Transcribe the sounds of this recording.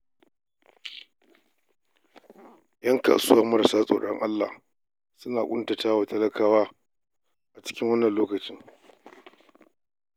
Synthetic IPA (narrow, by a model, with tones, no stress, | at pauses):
jɐ˦ŋka̰ː˨sʊ˦wɐ˦˨mɐ˦ɾsaː˦sʼo̰ː˨ɽɔ̰˦ŋʔa˦lːa̰˨h | sʊ˦naː˨kʷʼʊ˦ntɐ˨taː˦wa˨tɐ˦lɐ˦kʰaː˨waː˦ | ʔa˨t͡ʃɪ̥˦kʲɪ˦ŋwɐ˦nːɐ˨nloː˦kɐ˨t͡ʃɪ˦ŋ